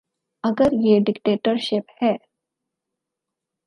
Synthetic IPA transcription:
ɐɡəɾjeːɖɪkʈeːʈəɾʃɪphɛː

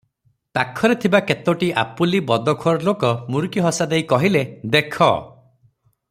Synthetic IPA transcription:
t̪akʰːɔɾet̪ʰibaket̪oʈiʔa̰pulibɔd̪ɔkʰɔɾɔlokɔmuɾukiɦɔsad̪ejkɔɦiled̪ekʰɔ̰

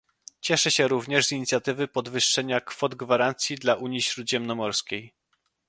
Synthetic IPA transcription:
t͡ɕɛʂɛɕɛɾuvɲɛʐzʲiɲit̪sʲjat̪ɘvɘpɔd̪vɘʂːɛɲakfɔd̪ɡvaɾant̪sʲjid̪laʔuɲjiɕɾud̪ʑɛmnɔmɔɾskʲej

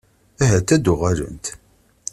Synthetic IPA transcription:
æɦæt̪ːæd̪ʊʁæɾə̰nt̪

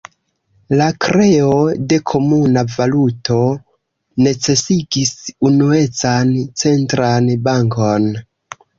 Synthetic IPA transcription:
lakɾe̞o̞de̞kʰo̞munavalutʰo̞ | ne̞t͡se̞siɡisunue̞t͡sant͡se̞ntɾanbaŋko̞n

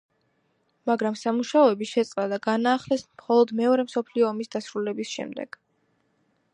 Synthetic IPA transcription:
maɡɾamsamuʃaɔɛbiʃɛt̪sʼɾad̪aɡanaːχlɛsmχɔlˠɔd̪mɛɔɾɛmsɔpʰliɔːmisd̪asɾulɛbisʃɛ̰md̪ɛ̰ɡ̥

